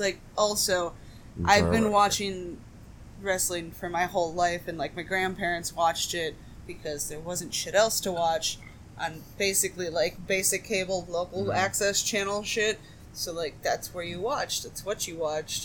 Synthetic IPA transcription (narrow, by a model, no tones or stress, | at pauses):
laɪk̚ʔɔlˠsoʊ | ʔaɪvbɨ̃nwɑt͡ʃɪ̃ŋ | ɹɛslɪ̃ŋfə˞maɪhoʊlˠlaɪfɨ̃nlaɪk̚maɪɡɹæ̃npʰɛɹɨ̃ntswɑt͡ʃtɪt̚ | b̥ɨkʰʌzðə˞wʌzɨ̃ntʃɪɾɛlˠstʰəwɑt͡ʃ | ʔə̃ɪ̃nb̥eɪsɨklilaɪk̚b̥eɪsɨkʰeɪbl̩ˠloʊkl̩ˠæksɛst͡ʃʰænl̩ˠʃɪt̚ | soʊlaɪk̚ðætswə˞jɨwɑt͡ʃðætswʌt͡ʃɨwɑt͡ʃt̚